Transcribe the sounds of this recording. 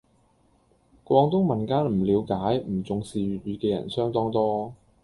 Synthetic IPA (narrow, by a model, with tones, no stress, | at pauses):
kʷwɔː˧ŋt̪ʊ˥ŋmɐ˨nkaː˥nm̩˨˩liː˨˧wkaː˨˥jm̩˨˩t͡sʊ˨ŋsiː˨ɥyː˨t̚ɥyː˨˧kɛː˧jɐ̰˨˩nsœː˥ŋt̪ɔː˥ŋt̪ɔː˥